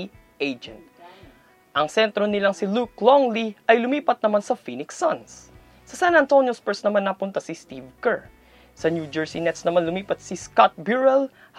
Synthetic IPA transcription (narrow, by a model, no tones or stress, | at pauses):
ʔejd͡ʒɛ̰nt̪̚ | ʔɐŋsɛnt̪ɾonɪlaŋsɪlukloŋliʔɐjlʊmiːpɐt̪̚nɐmansɐfinɪksans | sɐsanɐnt̪onjospɛɹsnɐmanːɐpʊnt̪ɐsɪst̪ivkɛɹ | sɐnjud͡ʒɛɹsinɛt̪snɐmanlʊmiːpɐt̪̚sɪskat̪̚bjuɹɛl | h